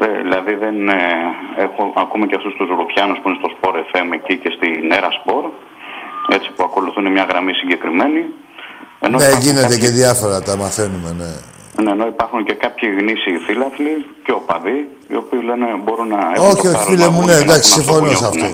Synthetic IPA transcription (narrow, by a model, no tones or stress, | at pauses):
ḛðḭlɐðiðen | exuɐkumeceft̪ust̪uzɾupçɐnuspuinest̪o̞spo̞ɾefe̞mecice̞st̪ine̞ɾɐspo̞ɾ | e̞t͡si̥puɐko̞luθunemɲɐɣɾɐmisiɲɟe̞kɾime̞ni | e̞̰noneʝinet̪ece̞ðiɐfo̞ɾɐt̪ɐmɐθe̞nume̞ne̞ | neːno̞ipɐɾxunce̞kɐpçiɣnisifilɐfliceo̞pɐði | io̞piːle̞ne̞bo̞ɾunɐeoçioɐilemuneend̪ɐksi̥ssiɱfo̞nosɐft̪